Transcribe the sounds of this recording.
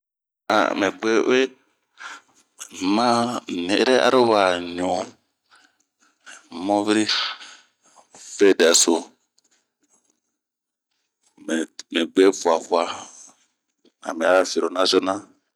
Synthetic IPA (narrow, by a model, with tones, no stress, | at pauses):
a̰˨me˨ɡ͡be˦we˦ | mã˦˨ne˨˦ɾe˦ʔa̰˦ɾo˦wa˨ɲõ˨ | mɔ̃˦vi˦ɾi˦ | ve˦˨dɛ˨so˨ | me˨me˨ɡ͡be˦fu˨a˨fu˨˦a˨ | a̰˨mɛ̃˨a˦fi˨ɾo˨nã˦zo˦nã˦